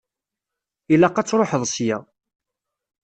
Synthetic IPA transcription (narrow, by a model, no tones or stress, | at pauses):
ilæqːɑt͡sːɾˤoħəðˤsjæ